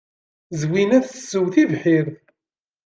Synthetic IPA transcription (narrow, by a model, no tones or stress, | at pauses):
zwinæθsːəwθivħiɾ